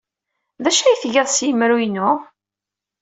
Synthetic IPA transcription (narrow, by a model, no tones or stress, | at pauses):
ðæʃæjθʝæðˤsjəmɾujnʊ